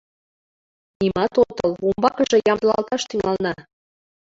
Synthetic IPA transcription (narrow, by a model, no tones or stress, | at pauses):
nimɑt̪ot̪ɤ̆lumbɑkɤʒɤ̆jɑmd̪əlɑ̰lt̪ɑʃt̪yŋɑlnɑ